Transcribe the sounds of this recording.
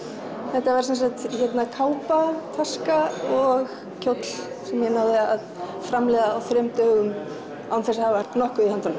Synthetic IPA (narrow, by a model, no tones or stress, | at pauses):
θɛht̪ːavaɾ̥sɛnsakt̪çɛt̪nakʰaːwpat̪ʰaskaɔɣ | cʰowt̪l̥ | sɛmjɛnawðɪa̰ð | fɾamlɛːðaːwθɾœmt̪œːɣʏm | a̰wnθɛsahavvaɾ̥t̪nɔhkʏihant̪an